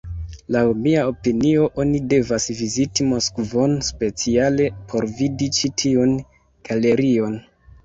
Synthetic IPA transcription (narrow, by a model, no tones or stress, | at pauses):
lawmiao̞pinio̞ʔo̞nide̞vasvizitimo̞skvo̞nspe̞t͡siale̞pʰo̞ɾvidit͡ʃitʰiun | ɡ̥ale̞ɾio̞n